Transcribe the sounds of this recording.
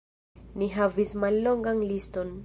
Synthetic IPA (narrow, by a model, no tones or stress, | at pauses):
niɦavismalːo̞ŋɡanlisto̞n